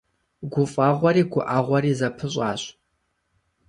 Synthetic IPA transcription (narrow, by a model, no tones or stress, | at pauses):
ɡʷʊfʼaːʁʷɔɾiːɡʷʊʔaːʁʷɔɾiːzɐpʰɨɕʼɑːɕʼ